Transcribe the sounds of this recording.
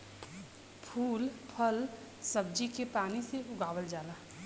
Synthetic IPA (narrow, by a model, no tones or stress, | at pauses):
pʰuːlpʰəl | sɐb̚d͡ʒikepaːniseʊɡaːwəld͡ʒaːlaː